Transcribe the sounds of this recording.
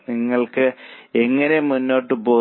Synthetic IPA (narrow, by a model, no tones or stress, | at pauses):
niŋːɐɭkɨe̞ŋːɐne̞munːo̞ːʈːɨbo̞ː